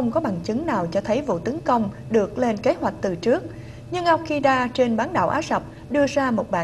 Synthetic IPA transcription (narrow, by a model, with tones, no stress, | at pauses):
ə˧wŋ͡mkɔ˨˦ɓaː˧˩ŋt͡ɕɨ˨˦ŋnaː˨˩wt͡ɕɔ˧t̪ʰə˨˦jvṵ˧˨t̪ə˨˦nkə˧wŋ͡m | ɗɨ˨˩ək̚le˧nke˨˦ɦwa˨˩jk̟̚t̪ɨ˨˩t͡ɕɨ˦˥ək̚ | ɲɨ˧ŋʔa˧w̚xi˧ɗaː˧t͡ɕe˧nɓaː˨˦nɗa̰ː˧˩wʔaː˨˦˥zə˨˩p̚ | ɗɨ˧əzaː˧mo˨˩t̚ɓaː˧˨